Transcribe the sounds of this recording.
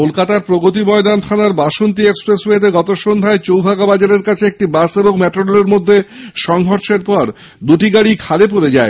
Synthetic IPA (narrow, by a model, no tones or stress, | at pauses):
kolkat̪aɾpɾoɡot̪imɔed̪ant̪ʰanaɾbaʃont̪̬iekspɾesɦeet̪eɡɔt̪oʃond̪ʱaet͡ɕowbʱaɡabad͡ʑaɾeɾkat͡ɕʰeek̚ʈibaseboŋmɛʈɾoleɾmod̪ʱːeʃɔŋɦɔɾʃeɾpɔɾ | d̪uʈiɡaɽikʰalep̬oɾed͡ʑae